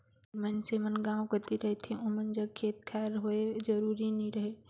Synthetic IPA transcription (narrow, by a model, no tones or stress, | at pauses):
mənsemənɡãːwkɐt̪iɾɐɦet̪ʰiʔʊ̃mənd͡ʒɐɡkʰeːt̪̚kʰɛːɾɦoed͡ʒɐɾuːɾinɐĩɾɐɦeː